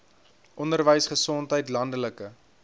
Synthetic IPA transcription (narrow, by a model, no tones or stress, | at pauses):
ʔɔndərvəjsχəsɔntɦəjtlɐndələkə